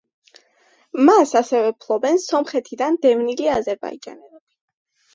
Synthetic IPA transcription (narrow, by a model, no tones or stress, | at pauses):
masasɛvɛpʰlˠɔbɛnsɔmχɛt̪ʰid̪and̪ɛvniliazɛɾba̰id͡ʒa̰nɛlɛb̥i